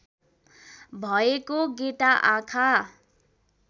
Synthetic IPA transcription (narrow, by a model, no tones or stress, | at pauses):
bʱʌekoɡeʈaʔakʰa